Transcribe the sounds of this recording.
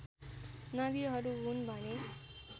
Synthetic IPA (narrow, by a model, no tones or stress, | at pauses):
nʌd̪iɦʌɾuɦunbʱʌne